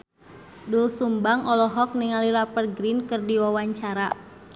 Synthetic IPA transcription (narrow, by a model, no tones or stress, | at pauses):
dulsumbaŋɔlɔɦɔk̚niŋaliɾapərɡɾinkɨrdiwawaɲt͡ʃaɾa